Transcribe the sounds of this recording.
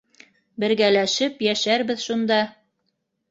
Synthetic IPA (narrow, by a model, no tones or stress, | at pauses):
bɘ̆ɾɡælæʃɘpjæʃæɾbɘðʃund̪ɑ